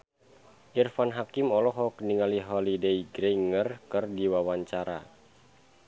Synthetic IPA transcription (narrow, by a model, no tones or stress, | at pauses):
ʔirfanɦakimɔlɔɦɔkəniŋaliɦɔlideiɡɾejŋərkɨrdiwawaɲt͡ʃaɾa̰